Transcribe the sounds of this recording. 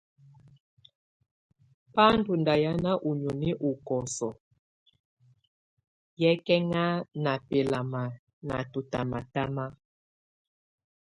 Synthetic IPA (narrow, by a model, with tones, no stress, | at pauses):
pa˦n˦du˨nda˨ja˦na˦ʔu˨ɲɔ˨ni˦ʔu˨kɔ˨sɔ˨ | jɛ˦kɛ˦ŋa˦na˨pe˨la˨ma˨ | na̰˨tu˨ta̰˨ma˨ta˦ma˦